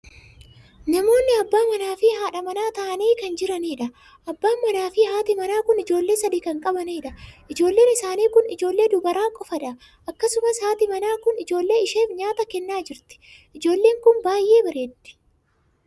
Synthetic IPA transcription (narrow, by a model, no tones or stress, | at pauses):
nɐmo̞ːnːɪɐbːaːmɐnaːfɪhaːᶑɐmɐnaːt̪ɐʔɐniːkɐnd͡ʒɪɾɐniːᶑɐ | ʔɐbːaːmːɐnaːfɪɦaːt̪ɪmɐnaːkʊnɪd͡ʒo̞ːlːe̞ːsɐd̪iːkɐŋkʼɐbɐniːᶑɐʔɪd͡ʒo̞ːlːe̞ːnɪsaːniːkʊnɪd͡ʒo̞ːlːe̞ːd̪ʊbɐɾaːkʼɔfɐᶑɐ | ʔɐkːɐsʊmɐshaːt̪ɪmɐnaːkʊnɪd͡ʒo̞ːlːe̞ːɪʃeːfɲaːt̪ɐkɛnːaːd͡ʒɪɾt̪ɪ̥ | ɪd͡ʒo̞ːlːe̞ːŋkʊnbaːjʔːe̞ːbɐɾeːd̪ɪ̥